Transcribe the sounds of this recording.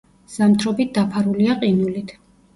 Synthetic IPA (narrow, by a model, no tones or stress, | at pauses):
z̥amt̪ʰɾɔbit̪̚d̪apʰaɾuliaqʼinulit̪ʰ